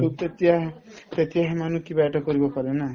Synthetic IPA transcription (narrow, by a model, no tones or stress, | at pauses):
ut̪et̪iaɦ | t̪et̪iaɦemanukibaʈɔkɔɾibɔkɔɾena